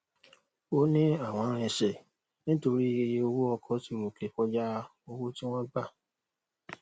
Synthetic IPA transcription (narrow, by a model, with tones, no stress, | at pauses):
o˦nĩ˦a˦˨w̃ɔ̃˨˦ɾ̃ɛ˧˨ʃɛ˨ | nĩ˦to˧ɾi˦e˧je˦˧o˧wo˦ɔ˧kʰɔ˨˦ti˦˨ɾo˨kle˨˦fɔ˦d͡ʒa˦ | o˧wo˦ti˦w̃ɔ̃˦ɡ͡ba˦˨